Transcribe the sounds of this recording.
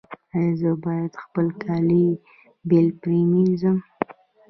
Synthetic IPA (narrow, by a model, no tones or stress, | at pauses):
ajɑzəbɑjad̪xpəlkʰɑli | belpɾemizəm